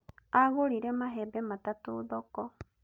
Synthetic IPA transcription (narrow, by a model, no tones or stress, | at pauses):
aɣoɾiɾemaɦɛbɛmatatoːðɔkɔ